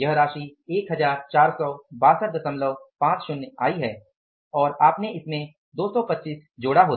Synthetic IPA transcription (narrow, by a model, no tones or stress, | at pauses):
jɐɦɾaːʃieːkɦɐzaːɾt͡ʃaːɾsɔːbaːsəɾd̪ɐsə̃mləʋpãːt͡ʃʃʊnaːiɦɛː | ɔːɾaːpneɪsmẽ | d̪oːsɔpɐtːʃiːs | d͡ʒoːɽaɦoːt̪